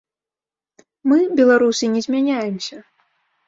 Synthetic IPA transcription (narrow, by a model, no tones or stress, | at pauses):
mɨbʲɛlˠaɾusɨnʲɛzʲmʲanʲajɛmsʲɐ